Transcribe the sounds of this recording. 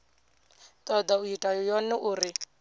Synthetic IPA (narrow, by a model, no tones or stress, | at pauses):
t̪ʼɔd̪aujitʼajɔjɔnɛʔuːɾi